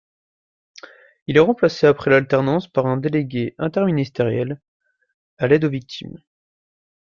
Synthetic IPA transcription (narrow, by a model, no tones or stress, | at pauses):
ilɛʁɑ̃plaseapχɛlalt̪ɛʁnɑ̃spaʁɛ̃d̪eleɡʲeɛ̃t̪ɛʁminist̪eʁjɛl | alɛd̪ovik̚t̪ʰim